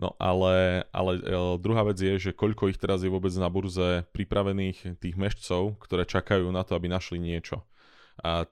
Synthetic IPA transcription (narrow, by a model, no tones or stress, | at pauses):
nɔ̰ʔalɛʔa̰lɛd̪ɾuɦaːʋɛd͡zɪjɛʒɛkɔʎkɔixt̪ɛɾazjɛʋʊɔbɛd͡znabuɾzɛpɾipɾaʋɛniːxt̪iːɣmɛʃt͡sɔʊkt̪ɔɾɛːt͡ʃakajuːnat̪ɔabinaʃliɲɪɛt͡ʃɔ | a